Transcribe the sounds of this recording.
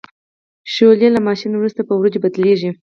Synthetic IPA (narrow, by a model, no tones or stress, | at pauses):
ʃoljelamɑʃinwɾust̪apəwɾod͡ʒebad̪leʒi